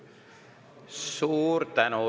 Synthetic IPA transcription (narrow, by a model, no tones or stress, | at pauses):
suːrt̪ano